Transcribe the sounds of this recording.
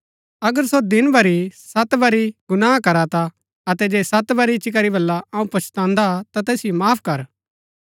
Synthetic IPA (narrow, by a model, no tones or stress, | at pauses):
ɐɡəɾsod̪ɪnbɐɾisɐt̪bɐɾiɡʊnaːakɐɾat̪a | ɐt̪ɛd͡ʒeːsɐt̪bɐɾit͡ʃikɐɾibɐlːaɐũpɐt͡ʃʰt̪ãːnd̪at̪at̪ɛːsɪjomaːpʰkɐɾ